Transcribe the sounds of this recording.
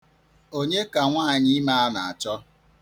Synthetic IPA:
o˦ɲe˦ka˨ŋʷaː˦˨ɲɪ˦ma˦a˦na˨a˨t͡ʃɔ˦

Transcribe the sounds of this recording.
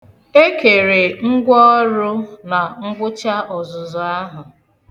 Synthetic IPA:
e˦ke˨ɾe˨ŋ̩˦ɡʷɔ˦ɾʊ˦na˨ŋ̩˦ɡʷʊ˦t͡ʃa˦ʔɔ˨zʊ˨zʊ˨a˦ɦʊ˨

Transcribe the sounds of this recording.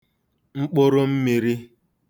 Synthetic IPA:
ŋ͡m̩˦k͡pʊ˦ɾo˦m̩˦mi˨ɾi˦

